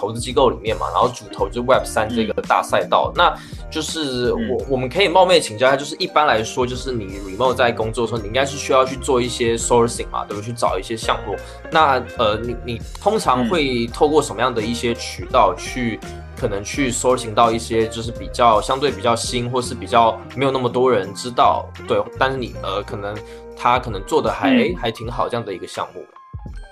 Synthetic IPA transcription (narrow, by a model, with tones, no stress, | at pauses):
t̪ʰo˧˥ʊt͡sɹ̩˥t͡ɕi˥ko˥˩ʊlḭ˨˩mjɛ˥˩nma̰˩na̰˧˦nxo˥˩t͡su˨˩t̪ʰo˧˥ʊt͡s̩˥wɛ˥˩psa˥nʈ͡ʂɤ˥˩ɡə˩t̪a̰˥˧sa˥˧ɪt̪ɑ̰˥˩ʊna˥˨ | t͡ɕjo˥˧ʊʂɻ̩˥˩wɔ˨˩wɔ˨˩mə˦nkʰɤ˧˥i˨˩mɑ˥˧mje˥˩ə˩t͡ɕʰi˧˥ŋt͡ɕt͡ɕjʂ̩˥˩ʔi˥˩pa˥nla˧˥ɪʂwɔ˥t͡ɕjo˥˧ʊʂɻ̩˥˩ni˨˩ɹi˨˩m˥o˥˩˨t͡sa˥˩ɪkʊ˥ŋt͡swɔ˥˩ʂɔ˥ni˨˩ĩ˥ŋɡa˥ʂɻ̩˥˩ɕy˥jɑ˥˧ʊt͡ɕʰy˥˧t͡swɔ˥˧i˥˩ɕjɛ˥so˥si˨˩ŋm̰˩t̪wb̪t͡ɕʰy˥˩ʈ͡ʂɑ˨˩ʊi˥˩ɕjɛ˥ɕjɑ˥˧ŋmu˥˩ | na˥˩ə˩ni˨˩ni˨˩t̪ʰo˥ŋʈ͡ʂʰɑ˧˥ŋxwe˥˧ɪt̪ʰo˥˧ʊkwɔ˥˩ʂə˧˥nmə˦jɑ˥˩ŋd̪ə˩i˥˩ɕjɛ˥t͡ɕʰy˨˥t̪ɑ˥˧ʊt͡ɕʰy˥˩ | kʰɤ˨˩nə˧˦˥ŋt͡ɕʰy˥˩so˥si˧ŋt̪ɑ˥˧ʊi˥˩ɕjɛ˥t͡ɕjo˥˧ʊʂ̬ɻ̩˥˩pi˨˩t͡ɕjɑ˥˩ʊɕjɑ˥ŋt̪we˥˩ɪpi˨˩t͡ɕjɑ˥˩ʊɕi˥nxwɔ˥˧ʂɻ̩˥˩pi˨˩t͡ɕjɑ˥˩ʊme˧˥jna˥˩mə˩t̪wɔ˥ɻə˧˦nʈ͡ʂɻ̩˥t̪ɑ˥˩ʊt̪we˥˩ɪt̪nʂɻ̩˥˩nḭ˨˩ə˧˩kʰɤ˨˩nə˧˦ŋ | t̪ʰa˥kʰɤ˨˩nə˧˥ŋt͡swɔ˥˩d̪ə˩xa˧˥ɪxa˧˥ɪt̪ʰi˧˥ŋxɑ˨˩ʊ˥jɑ˥˩ŋd̪ə˩i˧˥ɡə˧ɕjɑ̰˥˧ŋmu˥˩mə˩